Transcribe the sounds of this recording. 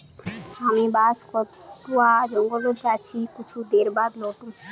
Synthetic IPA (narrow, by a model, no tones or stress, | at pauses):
amibaskɔɾ | t̪uad͡ʒɔŋɡolod͡ʒat͡ʃʰikut͡ʃʰud̪eɾbad̪lɔʈu